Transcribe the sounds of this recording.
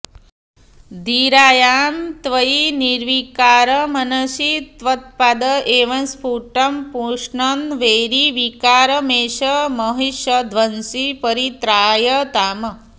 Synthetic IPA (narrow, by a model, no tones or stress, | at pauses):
d̪iːɾaːjaːmt̪ʋɐjiniɾʋikaːɾɐmɐnɐʃit̪ʋɐt̪̚pad̪ɐʔeːʋɐnspuːʈɐmpuːʂɳɐnʋeːɾiʋikaːɾɐmeːʃɐmɐɦiʃɐd̪ʱʋɐnsipɐɾit̪ɾaːjɐt̪aːmɐ